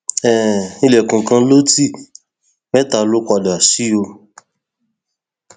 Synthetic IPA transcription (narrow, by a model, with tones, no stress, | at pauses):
ɛ˨i˧lɛ˨kũ˨kã˧˦lo˦ti˦ | mɛ˦ta˧˨˧lo˦kʷa˧da˨a˨si˨˦o˧